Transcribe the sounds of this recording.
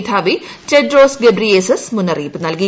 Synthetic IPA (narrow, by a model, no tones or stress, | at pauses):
t̪ʰaːʋi | t͡ɕedɾoːsɡebɾiesesmunɐriːpɨnɐlki